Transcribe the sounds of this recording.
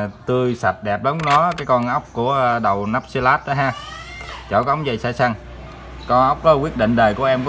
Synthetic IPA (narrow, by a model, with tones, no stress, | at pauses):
t̪ɨ˧jsa˨˩t̚ɗɛ˨˩p̚lə˨˦wnɔ˨˦kaː˨˦jkɔ˧nʔə˦˥wk͡p̚ku˧˩əɗə˨˩wna˦˥p̚si˧laː˦˥t̚ɗa˨˦ɦaː˧ | t͡ɕɔ˧˩wka˨˧˦ŋ͡mzə˨˩jsaː˧˩jsa˧ŋ | kɔ˧nʔə˦˥wk͡p̚kɔ˨˦kwi˦˥ət̚ɗḭ˧˨ŋ̟ɗəː˨˩jku˧˩əʔɛ˧mk